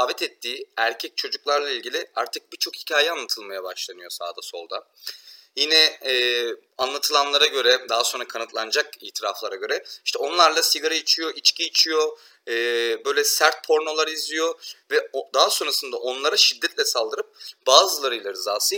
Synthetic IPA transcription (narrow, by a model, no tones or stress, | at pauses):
avɛt̪ʰɛt̪ʰːiːæɾcʰɛc̚t͡ʃʰo̞d͡ʒuklˠaɾlˠailʲɟilʲɪaɾt̪ʰɯk̚bit͡ʃʰo̞khicʰaːjɛanlˠat̪ʰɯlˠmajabaʃlˠanɯjo̞sa̰ːd̪aso̞̰lˠd̪a̰ | jinɛɛː | anlˠat̪ʰɯlˠanlˠaɾaɟø̞ɾɛd̪aɦaso̞nɾakʰanɯt̪lˠand͡ʒakḭːt̪ʰiɾaflˠaɾaɟø̞ɾɛiʃt̪ʰɛo̞nlˠaɾlˠasiɡaɾait͡ʃʰijo̞ʔit͡ʃcʰiːt͡ʃʰijo̞ | ɛːbø̞jlʲɛsæɾt̪̚pʰo̞ɾno̞lˠaɾɯizijo̞vɛd̪aɦaso̞nɾasɯnd̪aʔo̞nlˠaɾaʃid̪ːɛt̪lʲɛsalˠd̪ɯɾɯp̚b̥aːzɯlˠaɾɯjlˠaɾɯzaːsɯ